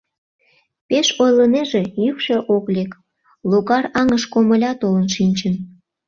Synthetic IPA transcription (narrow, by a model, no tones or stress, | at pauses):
peʃojləneʒejykʃeʔoklek | loɣɑrɑŋəʃkoməlʲɑt̪olənʃinʲt͡ɕən